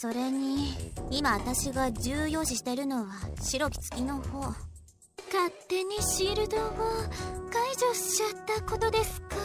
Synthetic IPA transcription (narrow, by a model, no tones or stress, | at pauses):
so̞ɾe̞ɲ̟iimaβat̪aɕiɡad͡ʑɨːjo̞ːɕiɕi̥t̪eɾɯ̟no̞βaɕiɾo̞kʲi̥t͡sɨ̥kʲino̞ho̞ː | kat̪ːe̞ɲ̟iɕiɾɯ̟d̪o̞βakaid͡ʑo̞ɕat̪ːako̞t̪o̞d̪e̞sɨ̥ka